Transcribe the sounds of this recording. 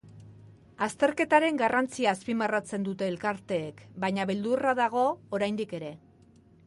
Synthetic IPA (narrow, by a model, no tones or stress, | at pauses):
ast̪e̞ɾke̞t̪aɾe̞ŋɡarant͡siaːspimarat͡se̞nd̪ut̪e̞ːlkaɾt̪e̞ːkbaɲaβe̞ld̪uraðaɣ̞o̞ːɾajnd̪ike̞ɾe̞